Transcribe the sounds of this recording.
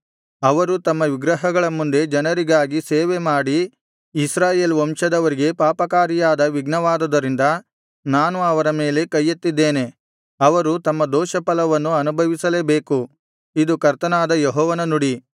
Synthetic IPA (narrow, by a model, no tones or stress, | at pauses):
ɐʋɐɾut̪ɐmːɐʋiɡɾɐɦɐɡɐɭɐmund̪e̞d͡ʒɐnɐɾiɡaːɡiseːʋemaːɽiː | sɾaːje̞ːlʋɔmʃɐd̪ɐʋɐɾiɡe̞paːpɐkaːɾijaːd̪ɐʋiɡnɐʋaːd̪ɐd̪ɐɾind̪ɐ | naːnuɐʋɐɾɐme̞ːle̞kɐjːɐt̪ːid̪ːe̞ːne̞ | ɐʋɐɾut̪ɐmːɐd̪ɔːʃɐpɐlɐʋɐnːuɐnubʱɐʋisɐleːbe̞ːku | id̪ukɐɾt̪ɐnaːd̪ɐjɔɦɔːʋɐnɐnuɽi